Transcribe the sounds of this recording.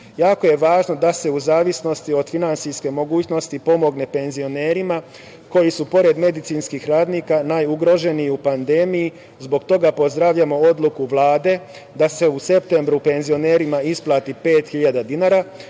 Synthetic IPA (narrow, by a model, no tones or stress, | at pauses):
jaːko̞je̞ʋaːʒno̞d̪ase̞uzaːʋisno̞st̪io̞d̪finant̪sijske̞mo̞ɡuːt͡ɕno̞st̪ipo̞mo̞ɡne̞pe̞nzio̞ne̞ːɾima | ko̞jisupo̞ɾe̞d̪me̞d̪it̪sinskixɾaːd̪niːkanajuɡɾo̞ʒe̞nijupand̪eːmiji | zbo̞ɡt̪o̞ɡapo̞zd̪ɾaʋʎamo̞o̞d̪lˠukuʋlˠaːd̪e̞ | d̪ase̞use̞pt̪e̞mbɾupe̞nzio̞ne̞ːɾimaisplˠaːt̪ipe̞ːt̪xiʎad̪ad̪inaːɾa